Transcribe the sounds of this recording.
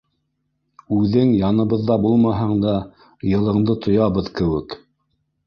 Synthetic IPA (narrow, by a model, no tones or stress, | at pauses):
ʉðɘŋjɑnɤ̆βɤ̆ðːɑbulˠmɑɦɤɴd̪ɑ | jɤ̆lˠɤ̆ɴd̪ɤt̪ʰŏjɑβɤðkɘ̆wɘk